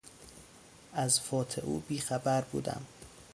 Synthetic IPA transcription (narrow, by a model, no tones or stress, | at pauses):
ʔæzfɒːt̪ʰḛʔṵːbiːxæbæɾbṵːd̪æ̰m